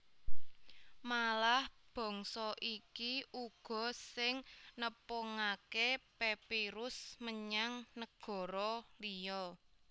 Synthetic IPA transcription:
malahb̥ɔ̤ŋsɔʔikiʔuɡ̥ɔ̤sɪŋnəpoŋakepepiɾʊsməɲaŋnəɡ̥ɔ̤ɾɔlijɔ

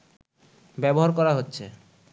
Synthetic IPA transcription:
bɛboɦaɾkɔɾaɦotːɕʰe

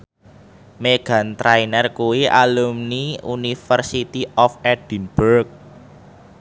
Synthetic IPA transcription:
meɡ̥a̤nt̪ɾainɛrkuwiʔalumniṵnifərsit̪iʔɔfɛd̥i̤nb̥urk̚

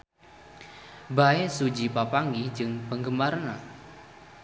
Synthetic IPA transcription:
baesud͡ʒipapaŋɡid͡ʒɨŋpəŋɡəmaɾna

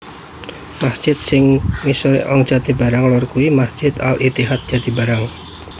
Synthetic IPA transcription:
masd͡ʒ̥ɪt̪̚sɪŋmisuɾiʔɔŋ̥d͡ʒad̪ibaɾaŋlɔrkuimasd͡ʒɪt̪a̰lit̪iɦat̪̚d̥d͡ʒ̥ad̪̥ibaɾaŋ

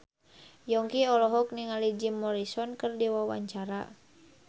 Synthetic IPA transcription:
jɔŋkiɔlɔɦɔk̚niŋalid͡ʒimːɔɾisɔnkərdiwawa̰ɲt͡ʃaɾa̰

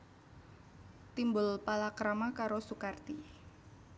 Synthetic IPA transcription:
t̪imbʊlpalakɾamakaɾosukart̪i

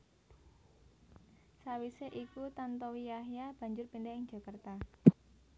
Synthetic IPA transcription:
sawiseʔikut̪ant̪ɔwijaɦjab̥ä̤ɲd͡ʒʊrpindɛɪŋd͡ʒ̥a̤kart̪a

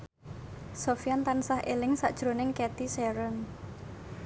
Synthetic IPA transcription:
sofiant̪ansahʔelɪŋsa̰ʔd̥ʒ̥ɾo̤nɪŋkɛt̪isɛɾən

